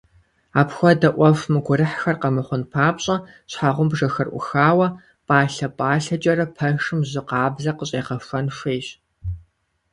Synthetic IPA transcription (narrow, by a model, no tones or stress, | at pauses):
aːpxʷɔdɐʔʷɔfmɨɡʷʊɾɨħxɐrqɐmɨχʷʊnpʰaːpɕʼɐ | ɕħaʁʷʊmbʐɐxɐrʔʷʊ̰xaːwɐ | pʼaːɬɐpʼaːɬɐt͡ʃʼɐɾɐpʰɐʂɨmʑɪqɑːbzɐqəɕʼeːqɐfʷɐnʂʷeːɕ